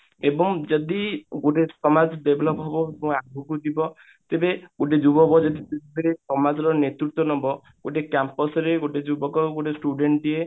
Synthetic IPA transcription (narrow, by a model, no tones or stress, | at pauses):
ebɔŋd͡ʒɔd̪iɡoʈesɔmad͡ʒɖ̪ebelɔpɦɔbɔmũaɡbɔkut̪ibɔ | t̪ebeɡ̥oʈed͡ʒubɔbɔd͡ʒɔd̪iset̪ʰibeɾesɔmad͡ʒɔɾɔnet̪ɾut̪wɔnɔbɔ | ɡ̥oʈekampɔsɔɾeɡoʈed͡ʒubɔkɔɡoʈesʈuɖeɳʈie